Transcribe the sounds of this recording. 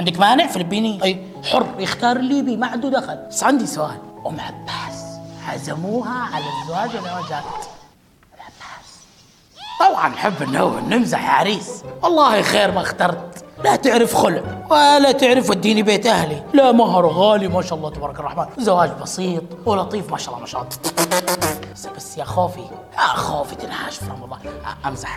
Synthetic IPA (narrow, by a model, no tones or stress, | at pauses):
ʕɪnd̪akmaːnɪʕfilbiniʔ | ħʊrˤːjɪxt̪ɑːɾˤliːbimaʕand̪ud̪axalbasːʕand̪isʊʔaːlwɪmʕabːaːsʕa̰zamuːɦaʕalazːawaːd͡ʒzawaːd͡ʒaːt̪ | ɪlʕabːaːs | t̪ˤɑbʕɑ̰nːħɪbːɪnːawʕɪ̰nːɪmzaħa̰ʕɾiːswɑlˤːɑːhixeːɾmaxt̪ɑɾˤt̪lat̪ɪʕɾɪfxʊlʔwalat̪ɪʕɾɪfwɪd̪ːiːnibeːt̪ʔahlilamaɦɑɾˤɣaːlimaːʃaʔɑlˤːɑːt̪abɑːɾˤɑkɑrˤːɑħmaːnzawaːd͡ʒbɑsiːt̪ˤwɪlɑʔt̪ˤiːfmaːʃaʔɑlˤːɑ̰maːʃɑːʔlːˤ | asbasːjaxoːfi | axoːfit̪ɪnhaːʃfɾa̰mɑlˤːɑ̰ːʔamzaħ